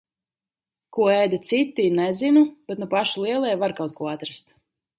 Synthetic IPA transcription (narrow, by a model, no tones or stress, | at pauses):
kuɔɛjd̪at̪sit̪ːinɛzinub̥ɛt̪nupaʃulˠiɛlˠɛjvaɾkawt̪̚kuɔat̪ɾast̪